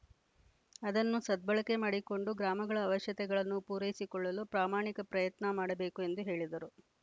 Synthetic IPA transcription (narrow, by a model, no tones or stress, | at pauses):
ɐd̪ɐnːusɐd̪̚bɐɭɐkemaːɽiko̞ɳɖuɡɾaːmɐɡɐɭɐːʋɐʃjɐt̪ɛɡɐɭɐnːupuːɾɐjisikɔɭːɐlupɾaːmaːɳikɐpɾɐjɐt̪nɐmaːɽɐbe̞ːkue̞nd̪uɦe̞ːɭid̪ɐɾu